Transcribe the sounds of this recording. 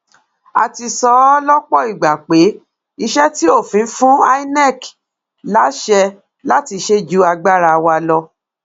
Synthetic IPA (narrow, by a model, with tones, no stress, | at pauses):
a̰˧˨ti˧sɔ˧˦lɔ˦k͡pɔ˦i˨ɡ͡ba˨k͡pe˨˦ | i˧ʃɛ˦ti˦o˦˨fĩ˨˦fũ˦a˦i˦nɛ˦˨k | la˨˦ʃɛ˧ | la˦ti˧ʃe˦d͡ʒu˦a˧ɡ͡ba˦ɾa˧wa˧lɔ˧